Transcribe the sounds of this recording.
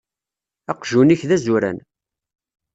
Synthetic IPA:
ɑqʒuniçðæzuɾæ̰n

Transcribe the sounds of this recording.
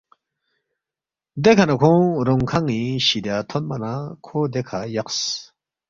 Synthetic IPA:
d̪ekʰanakʰõɾoŋkʰaŋĩɕid̪jat̪ʰonmanakʰod̪ekʰajaqs

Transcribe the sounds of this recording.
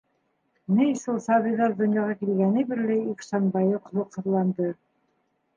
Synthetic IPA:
nɘjsolˠsɑβiðɑɾd̪ŏnjɑʁɑkilɡænɘbɘ̆lːæjiksɑnbɑjɤqŏlˠɤqsɤ̆ɾlˠɑnd̪ɤ

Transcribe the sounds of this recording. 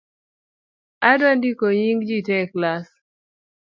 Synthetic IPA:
adandikoɲiŋɡd͡ʒitɛklas

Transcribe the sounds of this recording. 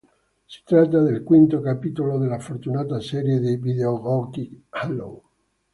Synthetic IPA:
si̥t̪ɾat̪ːad̪elkwint̪okapit̪olod̪elːafort̪unaːt̪asɛɾjed̪ivid̪eoɡɔkihalo̰

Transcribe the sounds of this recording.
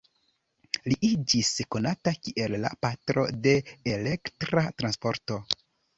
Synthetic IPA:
liʔid͡ʒisko̞natakiʔe̞lːa̰patɾo̞̰de̞ːle̞ktɾatɾanspo̞ɾto̞

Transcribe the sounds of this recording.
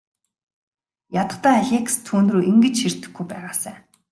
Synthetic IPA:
jat̪ə̆t̪æːxʲekst̪ʰuːnroːʔiŋɡɘ̆t͡ɕʃir̥t̪ɘ̆xɡujpæːʁaːsæː

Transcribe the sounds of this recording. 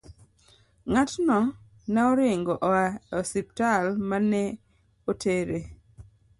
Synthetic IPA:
ŋatnɔ | naɔɾɪŋɡɔʔɔaɔsip̚talmanɛ | otʰeɾe

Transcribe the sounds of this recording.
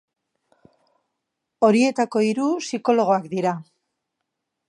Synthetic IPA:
o̞ɾie̞t̪ako̞iɾusiko̞lo̞ɣ̞o̞akd̪iɾa

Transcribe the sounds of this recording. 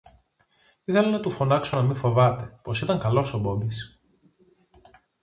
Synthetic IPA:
iθe̞lɐnɐt̪ufo̞nɐksonɐmifo̞vɐt̪e̞po̞sit̪ɐŋkɐlo̞sobo̞bis

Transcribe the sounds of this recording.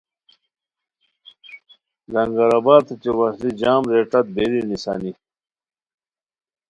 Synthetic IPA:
zɐŋɡɐɾabaːɾt̪ʰet͡ɕewɐslid͡ʑaːmɾeʈɐt̪̚beɾinisa̰ːni

